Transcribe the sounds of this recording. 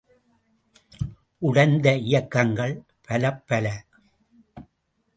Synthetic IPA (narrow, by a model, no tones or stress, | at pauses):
ʔʊɽɐnd̪ɐɪjɐkːɐŋɡɐɭ | pɐlɐpːɐlɐ